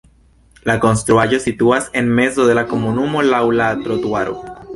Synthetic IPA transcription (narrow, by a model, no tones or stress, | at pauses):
lakonst̪ɾwaʝosit̪uasenmezoðelakomunumolawlat̪ɾot̪waɾo̰